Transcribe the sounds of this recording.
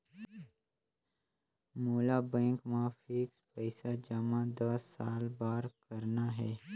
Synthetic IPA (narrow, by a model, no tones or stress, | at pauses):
moːlabɛ̃ːŋkmãfɪːkspəɪsad͡ʒɐmãd̪ɐsːaːlbaːɾkəɾnaɦɛː